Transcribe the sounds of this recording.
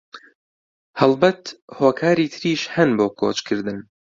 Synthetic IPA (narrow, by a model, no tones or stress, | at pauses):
hɐlˠbɐt̪hoːkʰaːɾiːt̪ʰɨɾiːʃhɐnboːkʰoːt͡ʃkʰɨɾd̪ɨn